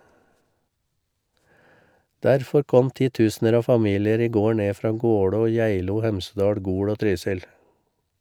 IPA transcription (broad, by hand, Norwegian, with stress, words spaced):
ˈdæɾfɔɾ ˈkɔm ˈtiːˌtʉːsnəɾ ˈɑː ˈfɑˌmiːlɪəɾ ˈiː ˈɡoː ˈɳeː ˈfɾɑː ˈɡoːɽoː ˈjæɪluː ˈhɛmsədɑːɽ ˈɡuːɽ ˈoː ˈtɾyːsɪl